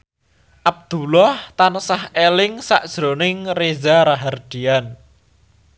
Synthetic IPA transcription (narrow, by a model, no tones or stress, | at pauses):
ʔab̚d̪̥ulɔht̪anəsahelɪŋsa̰ʔd̥ʒ̥ɾonɪŋrezaɾaɦard̪̥ian